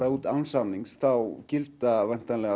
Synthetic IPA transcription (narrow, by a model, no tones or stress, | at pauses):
ɾauːt̪awnsanːiŋsθawcɪlt̪avɛn̥t̪anlɛɣa